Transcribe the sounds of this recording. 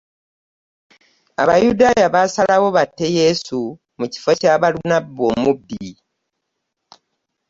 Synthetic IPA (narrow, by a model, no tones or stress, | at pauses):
a̰βajudaːjaβasalawo̞βatːe̞je̞su | muci̥focaːβalunabːo̞mubːi